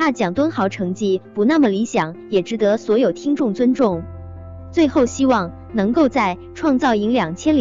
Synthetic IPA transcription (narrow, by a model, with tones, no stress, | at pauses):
a˥t͡ɕjɑ˨˩ŋt̪wə˥nxɑ˧˥ʊʈ͡ʂʰɤ˧˥ŋt͡ɕi˥˩pu˧˥na˥˩mə˩li˧˥ɕjɑ˨˩˦ŋjɛ˨˩ʈ͡ʂɻ̩˧˥t̪ɤ˧˥swɔ˧˥jo˨˩ʊt̪ʰi˥ŋʈ͡ʂʊ˥˩ŋt͡swə˥nʈ͡ʂʊ˥˩ŋ | t͡swe˥˧ɪxo˥˩ʊɕi˥wɑ˥˩ŋ | nɤ˧˥ŋko˥˧ʊt͡sa˥˩ɪ | ʈ͡ʂʰwɑ˥˧ŋt͡sɑ˥˩ʊi˧˥ŋljɑ˨˩ŋt͡ɕʰjɛ˥nl